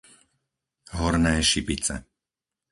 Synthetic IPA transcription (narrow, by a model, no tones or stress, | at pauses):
ɦɔɾnɛːʃipit͡sɛ̰